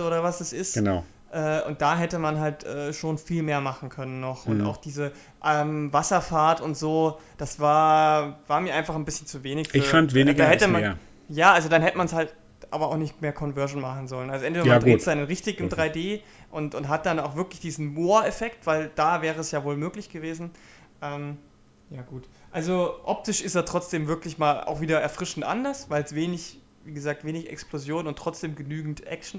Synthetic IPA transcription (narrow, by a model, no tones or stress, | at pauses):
ʔoːɾɐvasd̥asɪstɡ̥ənaʊ | ʔɛːʔʊnt̚d̥aːɦɛtəmanɦaltʔɛːʃoːnfiːlmeːɐmaχn̩kʰœnənːɔχʔʊ̰nta̰ʊxd̥iːzə | ʔɛmvasɐfaɐtʊntz̥oːd̥asv̥aːɐv̥aːɐmiːɐaɪnfaχn̩bɪsçnt͡suveːnɪçfɪːɐfantveːnɪɡdaːhɛtəmaɐ | jaːʔalzodanhɛtəmanshalt | ʔaːbɐa̰ʊxnɪçtmeːɐkʰɔnvœɐʒn̩maχn̩zɔlənʔalzoʔɛntv̥eːdɐaɡ̥ʁeːtz̥aɪnənʁɪçtɪçɪmdʁaɪdeː | ʔʊntʊntɦat̚d̥anaʊxvɪɐklɪçd̥iːzn̩moːɐɛfɛktv̥aɪld̥aːvɛːʁəɛsjaːvoːlmøːklɪçɡ̥əveːzn̩ | ʔɛːm | jaːɡuːtʔalzoʔɔp̚tɪʃɪsteːtʁ̥ɔt͡sd̥eːmvɪɐklɪçmaːla̰ʊxviːdɐɛɐfʁ̥ɪʃn̩tʔa̰ndɐsvaɪlsv̥eːnɪç | viːɡəzaːk̚tv̥eːnɪçʔɛ̰ksplozjoːnʊntːʁ̥ɔt͡sd̥eːmɡənyːɡŋ̩tʔɛ̰k̚t͡ʃn̩